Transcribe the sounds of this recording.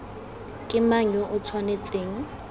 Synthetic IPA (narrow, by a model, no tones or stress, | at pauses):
kʼɪmaɲɔʔʊt͡sʰwanet͡sʼeːŋ̩